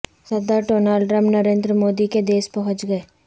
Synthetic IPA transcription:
sɐd̪aʈoːnaːlɾəmnɐɾẽːnd̪ɾəmoːd̪iked̪eːspɐɦʊ̃t͡ʃɡɐeː

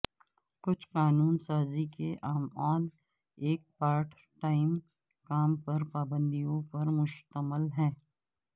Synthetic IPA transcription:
kʊt͡ʃʰqaːnuːnsaːzikeʔaːmaːn | eːk̚paːɾʈ | ʈaːɪm | kaːmpɐɾpaːbə̃nd̪ijõpɐɾmʊʃt̪əməlɦɛ̃ː

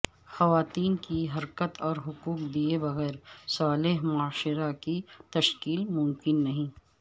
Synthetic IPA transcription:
xɐʋaːt̪iːnkiɦɐɾkət̪ʰɔːɾɦʊkuːk̚d̪iebɐɣɛːɾsaːlɪɦmʊaːʃɪɾakit̪ɐʃkiːlmʊ̃mkɪnːɐɦĩː

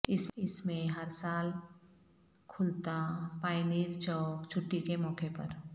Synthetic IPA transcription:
ɪsɪsmẽɦɐɾsaːl | kʰʊlt̪apaːɪniːɾt͡ʃɔːkt͡ʃʰʊʈːikemɔːkepɐɾ

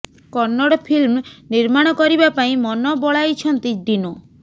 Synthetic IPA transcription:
kɔɾnɔɽɔpʰilmniɾmaɽ̃ɔkɔɾibapaĩmɔnɔbɔɭajt͡ʃʰɔnt̪id̪inɔ

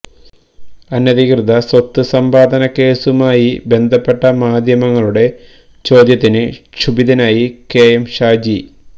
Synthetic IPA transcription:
ɐnjɐðikrɨd̪ɐswɐt̪ːɨsɐmbaːd̪ɐnɐke̞ːsumaːjibe̞nd̪ʱɐpːe̞ʈːɐmaːd̪ʱjɐmɐŋːɐɭuɽe̞ | t͡ɕo̞ːd̪jɐt̪ːinɨɕubiðɐnaːjikeːjɐmɕaːd͡ʑi

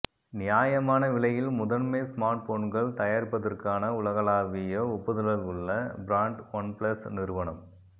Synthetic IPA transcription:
nɪjaːjɐmaːnɐʋɪɭɐjɪlmʊðɐnmɐɪsmaːɾʈ̚foːnɡɐɭt̪ɐjaːɾpːɐðɐrkaːnɐʊlɐɣɐlaːʋɪjɐʊpːɐðɐlɐlʊɭːɐbɾaːɳʈʋɐnplɐsnɪɾɯʋɐnɐm

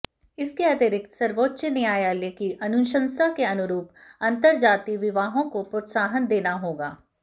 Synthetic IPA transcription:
ɪskeɐt̪ɪɾɪk̪̚sɐɾʋoːtːʃnɦĩaːjaleːkɪʔɐnʊʃə̃nsakeɐnʊɾuːpɐ̃nt̪əɾd͡ʒaːt̪iʋɪʋaːɦõkopɾot̪saːɦənd̪eːnaɦoːɡa̰ː

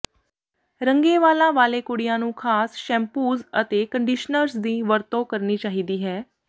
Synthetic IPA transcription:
ɾəŋɡeːʋaːlãːʋaːleːkʊɽɪjãːnũːkʰaːsʃɛ̃ːmpuːzət̪eːkəɳɖiʃnəɾsd̪iːʋəɾt̪õːkəɾniːt͡ʃaːɦiːd̪iːɦɛː

